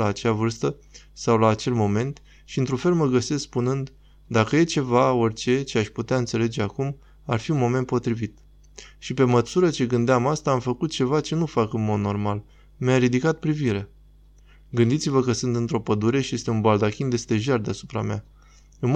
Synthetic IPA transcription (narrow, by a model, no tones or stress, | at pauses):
aːt͡ʃeavɨrst̪ə | sawlaːt͡ʃe̞lmo̞me̞nt̪ | ʃiɨnt̪ɾunfe̞lməɡəse̞sspunɨnd̪ | d̪akəje̞t͡ʃe̞vao̞rʲt͡ʃe̞t͡ʃeaʃput̪eaɨnt̪se̞le̞d͡ʒe̞akum | arfiunmo̞me̞nt̪̚po̞t̪ɾivit̪ | ʃipe̞məsuɾət͡ʃe̞ɡɨnd̪eamast̪aːmfəkut̪̚t͡ʃe̞vat͡ʃe̞nufakɨnmo̞d̪no̞rmal | mjaɾid̪ikat̪̚pɾiviɾea | ɡɨnd̪it̪sivəkəsɨnt̪ɨnt̪ɾo̞pəd̪uɾe̞ʃije̞st̪eunbald̪akʲind̪e̞st̪e̞ʒard̪easu̥pɾamea | ɨnm